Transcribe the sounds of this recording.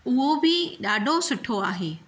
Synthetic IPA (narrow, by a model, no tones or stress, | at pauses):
ʊɦobʱɪɗaːɖʱosʊʈʰoaːɦeː